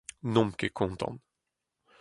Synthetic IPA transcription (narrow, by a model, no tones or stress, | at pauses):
nɔmkekʰɔnt̪ɔ̰n